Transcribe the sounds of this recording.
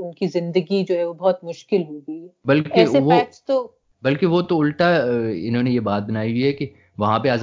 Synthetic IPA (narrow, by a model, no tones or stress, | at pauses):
ʊnkizɪ̃nd̪əɡid͡ʒoːɦɛʋobɔɦt̪mʊʃkɪlɦoɡiːbɐlkeːeʋok̚ʈst̪o | bɐlkeʋot̪oʊlʈ̪aɪ̰nɦõːnejebaːt̪̚bɐnaːiɦiɦɛke | ʋɐɦãpeaːz